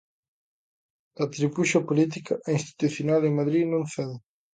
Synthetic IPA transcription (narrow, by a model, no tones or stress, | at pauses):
ɐt̪ɾipuʃɐpolit̪̬ikɐʔinst̪i̥t̪uθjonalemaðɾinõŋfɛðɪ